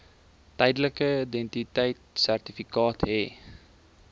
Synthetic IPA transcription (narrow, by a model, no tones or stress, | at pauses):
t̪ɛjdləkəident̪it̪ɛjtsært̪ifikɑːt̪ɦeː